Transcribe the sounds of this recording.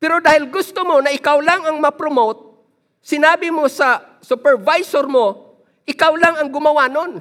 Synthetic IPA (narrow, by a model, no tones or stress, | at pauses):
pɛɾod̪aːhɪlɡʊst̪omonɐʔɪkawlaŋɐŋmɐpɾomowt̪̚ | sɪnaːbɪmosɐ | sʊpɛɹvajsoɾmo | ʔɪkawlaŋɐŋɡʊmɐwaːnon